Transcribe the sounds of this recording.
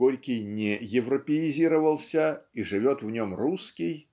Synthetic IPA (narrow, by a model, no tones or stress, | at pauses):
olʲkʲɪjnʲɪjɪvrəpʲɪɪzʲiɾəvəlˠsʲəiʐɨvʲo̞t̪vnʲomruskʲɪj